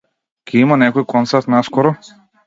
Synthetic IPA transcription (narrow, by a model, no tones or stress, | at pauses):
kʲɛimanɛkɔjikɔnt̪saɾt̪naskɔɾɔ